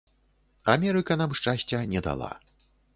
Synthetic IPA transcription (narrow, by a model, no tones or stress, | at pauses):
amʲɛɾɨkɐnamʂt͡ʂasʲt͡sʲɛnʲɛd̪a̰lˠa̰